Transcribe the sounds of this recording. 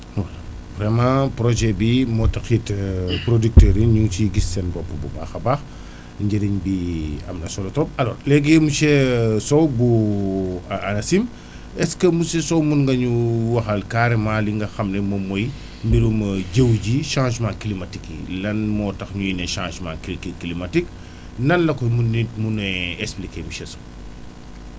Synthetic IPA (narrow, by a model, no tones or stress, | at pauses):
wɛ | vɾɛmãpɾɔʒɛbimɔːtɐxitpɾodik̚tɛːɾiɲuŋt͡ʃiɡisːɛnbɔpːəbuba̰ːxɐbaːx | ɲɟɛdiɲbiɐ̰mnɐsɔlɐtɾɔp̚ɐlɔ̰ːɾlɛɡemusɛsɔwbu | ɐnɐsim | ɛskəmusɛsɔwmunŋɡɐɲuwɐxɐlkaːɾemaːliŋɡɐxɐmnɛmɐmɔj | mbiɾumɐɟəwɟiʃãːʒmãːklimatikilɐnmɔːtɐxɲujinɛʃãːʒmãːkkklimatik | nɐnlɐkɔmunitmunɛɛsplikemuʃɛsɔ̥